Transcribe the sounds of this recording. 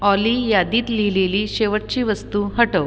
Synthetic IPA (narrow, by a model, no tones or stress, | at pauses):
ɔlijad̪iːt̪lileliːɕeʋəʈ̚t͡ɕiːʋəst̪uːɦəʈəʋ